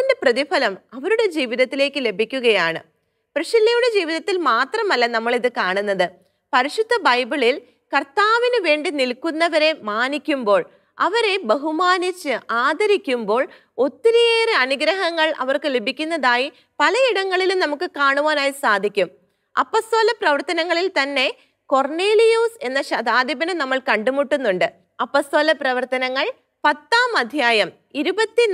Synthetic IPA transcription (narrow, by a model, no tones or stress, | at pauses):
inde̞prɐðifʰɐlɐmɐʋɐɾuɽe̞d͡ʑiːʋiðɐt̪ːile̞ːkːɨle̞bʱikʲːuɣɐjaːɳɨ̰ | prɐʂilːɐjuɽe̞d͡ʑiːʋiðɐt̪ːilmaːt̪rɐmɐlːɐnɐmːɐɭiðɨkaːɳunːɐðɨ | pɐɾiʂud̪ʱːɐbɐjbiɭil | kɐrt̪aːʋinɨʋe̞ːɳɖinilkunːɐʋɐɾe̞maːnikʲːumbo̞ːɭ | ɐʋɐɾe̞bɐɦumaːnit͡ɕːɨʔaːd̪ʱɐɾikʲːumbo̞ːɭ | o̞t̪ːiɾijeːrɨɐnuɡɾɐɦɐŋːɐɭɐ̰ʋɐrkɨlebʱikʲːunːɐðaːji | pɐlɐiɽɐŋːɐɭilumnɐmukːɨkaːɳuʋaːnaːjisaːd̪ʱikʲːum | ɐ̰pːoːst̪o̞ːlɐprɐʋɐrt̪ɐnɐŋːɐɭilt̪ɐnːe̞ | ko̞rɳeːlijuːse̞nːɐɕɐd̪aːd̪ibɐnɐnɐmːɐɭkɐɳɖumuʈːunːuɳɖɨ | ɐpːost̪o̞ːlɐprɐʋɐrt̪ɐnɐŋːɐɭ | pɐt̪ːaːmɐd̪ʱjaːjɐm | iɾubɐt̪ːi